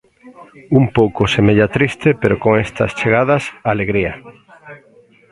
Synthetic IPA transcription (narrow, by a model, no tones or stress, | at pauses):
umpowkosemeʎat̪ɾist̪epeɾokoŋest̪ɐ̰st͡ʃeɣ̞aðɐsaleɣɾiɐ